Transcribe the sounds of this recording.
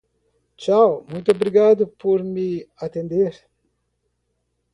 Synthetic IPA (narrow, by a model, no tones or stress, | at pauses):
t͡ʃawmujt̪obɾiɡad̪əpʰoɾmiat̪end̪eɾʲ